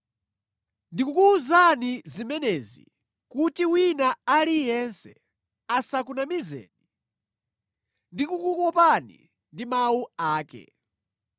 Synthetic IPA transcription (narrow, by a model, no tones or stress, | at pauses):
ndikukuːzanizimɛnɛzḭ | kutiwinaalijɛnsɛ | asakunamizɛ̰ːni | ndikukukɔpanḭ | ndimauaːkɛ̰